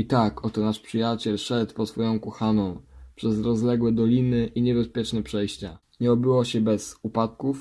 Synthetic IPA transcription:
it̪akɔt̪ɔnaʂpʂɘjat͡ɕɛlʂɛt̪pɔsfɔjɔ̃w̃kɔxanɔ̃w̃pʂɛzɾɔzlɛɡwɛd̪ɔlʲinɘʔiɲɛbɛspʲjɛt͡ʂnɛpʂɛjɕt͡ɕa̰ | ɲɛɔbɘwɔɕɛbɛzupat̪kuf

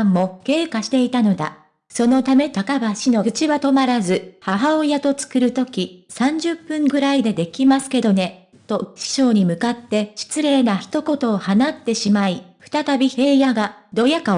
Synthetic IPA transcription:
mːo̞ke̞ːkaɕi̥t̪e̞it̪ano̞d̪a̰ | so̞no̞t̪ame̞t̪akabaɕino̞ɯt͡ɕiβat̪o̞maɾazɨhaɦaojat̪o̞t͡sɨ̥kɯ̟ɾɯ̟t̪o̞kʲisãɲ̟d͡ʑɨpːɯ̟̃ŋɡɯ̟ɾaid̪e̞d̪e̞kʲimasɨ̥ke̞d̪o̞ne̞ | t̪o̞ɕi̥ɕo̞ːɲ̟imɯ̟kat̪ːe̞ɕi̥t͡sɨɾe̞ːnaçi̥t̪o̞ko̞t̪o̞ːhanat̪ːe̞ɕimaiɸɯ̥t̪at̪abʲihe̞ːjaɡad̪o̞jaka

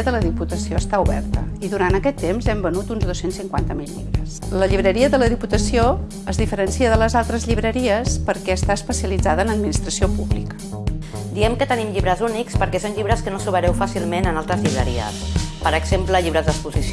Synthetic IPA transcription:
əðələðiput̪əsioəst̪auβɛ̰rt̪ə̰iðuɾant̪əkɛt̪ːemzɛmbənut̪unzðosensiŋkwant̪əmilˠʎḭβɾəsləʎiβɾəɾiəðələðiput̪əsio | əzðifəɾənsiəðələzalˠt̪ɾəzʎiβɾəɾiəspəɾkɛəst̪aəspəsiəlid͡zaðənəd̪minist̪ɾəsiopuβlikə̥ | d̪iɛmkət̪ənimʎiβɾəzunikspəɾkɛsonʎiβɾəskənosuβəɾɛwfasilˠmenənalˠt̪ɾəzʎiβɾə̰ɾḭə̰spəɾəɡzempləʎiβɾəzd̪əkspuzis

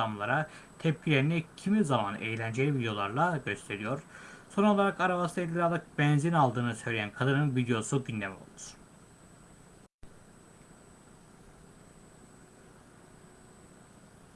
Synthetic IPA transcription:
amlˠaɾat̪ʰɛp̚cʰilʲe̞ɾinicʰimizamanḛjlʲænd͡ʒelʲivid̪ejo̞lˠa̰ɾlˠaɟø̞st̪ʰe̞ɾijo̞ɾ̥so̞no̞lˠaɾakaɾavast̪ʰaelʲiɾad̪ˠak̚bɛnzinalˠd̪ɯːnɯsø̞jlʲejænkʰad̪ɯnɯnvid̪ejo̞suɟynd̪ɛmo̞̰lˠd̪u̥ɾ̥

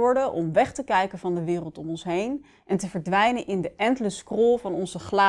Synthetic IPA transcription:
ɔɹdənʔɔmʋɛχtəkɛjkənvɑndəʋɪːrəlˠtɔmɔnsɦejn | ʔɛntəvəɹdʋɛjnənʔɪndəʔɛntələskrɔlˠvɑnɔnzəχlaː

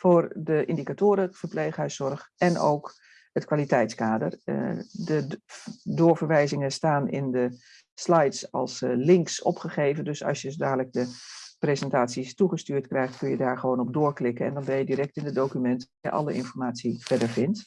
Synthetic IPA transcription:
foːrdəʔɪndikatoːɾəv̥ərpleːχɦɛɥsɔrxɛno̰wk | hətkʋaːlitɛjtskaːdərədə | doːɹvəɹʋɛjzɪŋəstaːnɪ̰ndə | slɛjtsɑ̰lˠslɪŋksɔ̰pχəχeːvəndøsɑ̰sjəsodaːdələk̚dəprezəntaːtsistuχəstyːɹtkrɛjχtkønjədaːɹχəʋoːnɔb̚doːɹklɪkəɛ̰ndɔnbɛnjədiɾɛk̚tɪnədowkymɛntəajə̰ʔɑ̰ləɪnfɔɹmaːtsifɛdəɹvɪnt

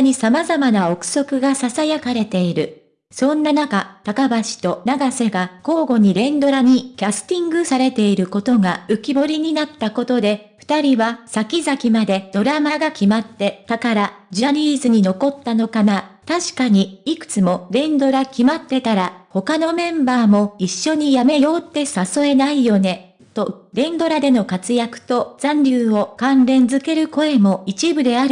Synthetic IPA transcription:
ɲ̟isamazamanao̞kɯ̟̥so̞kɯ̟ɡasasajakaɾe̞t̪e̞iɾɯ̟ | sõ̞nːanakat̪akabaɕi̥t̪o̞naɡase̞ɡako̞ːɡo̞ɲ̟iɾẽ̞nd̪o̞ɾaɲ̟ikʲasɨ̥t̪ʲĩŋɡɯ̟saɾe̞t̪e̞iɾɯ̟ko̞t̪o̞ɡaɯ̟kʲibo̞ɾʲiɲ̟inat̪ːako̞t̪o̞d̪e̞ | ɸɯ̟̥t̪aɾʲiβasakʲizakʲimad̪e̞d̪̥o̞ɾamaɡakʲimat̪ːe̞t̪akaɾad͡ʑiaɾʲiːzɨɲ̟ino̞ko̞t̪ːano̞kanat̪aɕi̥kaɲ̟iikɯ̟̥t͡sɨmo̞ɾẽ̞nd̪o̞ɾakʲimat̪ːe̞t̪aɾaho̞kano̞mẽ̞mbaːmo̞iɕːo̞ɲ̟ijame̞jo̞ːt̪ːe̞saso̞e̞naijo̞ne̞ | t̪o̞ɾẽ̞nd̪o̞ɾad̪e̞no̞kat͡sɨjakɯ̟̥t̪o̞z̥ãnɾʲɨːo̞kãnɾẽ̞nd͡zɨke̞ɾɯ̟ko̞e̞mo̞it͡ɕibɯ̟d̪e̞aɾɯ̟

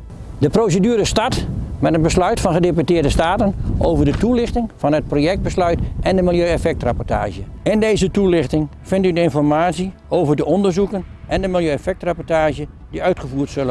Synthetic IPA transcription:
dəprowsədyːɾəstɑtmɛtənbəslœɥtfɑnχədep̬ytɪːdəstaːtənʔo̰wvəɹdətulɪχtɪŋfɑnɦət̚proːjɛk̚d̚bəslœɥtʔɛndəmɪlˠjøːɛfɛk̚trapɔɹta̰ːʒəɪndejzətulɪχtɪŋ | fɪntydəɪnfɔrmaːtsi | owvərdəɔndəɹzukənʔɛndəmɪlˠjøːɛfɛk̚trapɔɹtaːʒjə | diœɥtχəvuːrtsølə

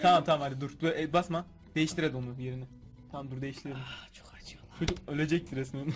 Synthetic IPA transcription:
t̪ʰamamt̪ʰamamhad̪id̪uɾd̪uɛbasma | d̪e̞jiʃt̪ʰiɾed̪imonubjeɾinɪ | t̪ʰamamd̪uɾd̪eiʃt̪ʰiɾed̪it͡ʃʰo̥kat͡ʃɯt͡ʃʰot͡ʃukølʲed͡ʒɛc̚t̪ʰiɾɛsmen

